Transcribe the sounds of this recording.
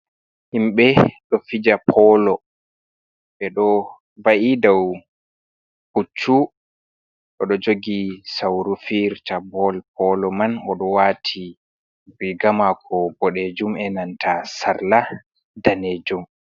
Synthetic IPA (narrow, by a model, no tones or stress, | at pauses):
himɓɛɗɔfid͡ʒapʰɔlɔ | ɓɛɗɔ | vaʔidaw | hut͡ʃːu | ɗɔɗɔd͡ʒoɡisawɾufiɾtabɔlpʰɔlɔmanɔɗɔwaːtʰi | bɾiɡamakʰɔbɔɗed͡ʒumɛnantʰasaɾla | daned͡ʒum